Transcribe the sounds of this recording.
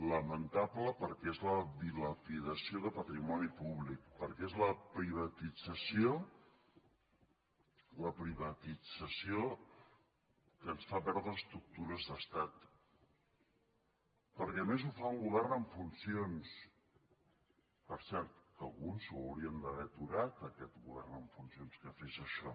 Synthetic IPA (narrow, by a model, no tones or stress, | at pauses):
ləmənt̪apləpəɾkɛezləβiləpiðəsioðəpət̪ɾimɔnipuβlik̚pəɾkɛezləpɾiβ̞ət̪id͡zəsio | ləpɾiβət̪id͡zəsio | kənsfapɛɾðɾəst̪ɾuk̚t̪uɾəzðəst̪at̪ | pəɾkɛəmezufauŋɡuβ̞ɛrnəɱfunsions | pəɾsɛɾt̪̚kəlˠɣunzuəwɾiənd̪əβɛt̪uɾat̪əkɛt̪ɣuβɛ̰rnəɱfunsionskəfeʃəʃɔ